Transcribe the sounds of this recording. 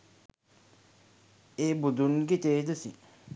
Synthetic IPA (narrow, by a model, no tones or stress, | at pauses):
eːbud̪unɡit̪eːd̪usi